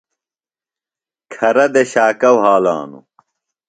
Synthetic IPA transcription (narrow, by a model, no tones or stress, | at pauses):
kʰɐɾɐd̪eɕaːkɐwɦaːla̰ːnṵ